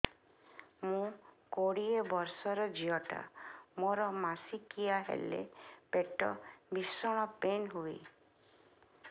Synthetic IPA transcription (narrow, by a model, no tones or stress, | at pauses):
mũkoɽiebɔɾsɔɾɔd͡ʒiɔʈa̰moɾɔmasikiaɦḛlḛpeʈɔ̰bisɔɽ̃ɔpenɦui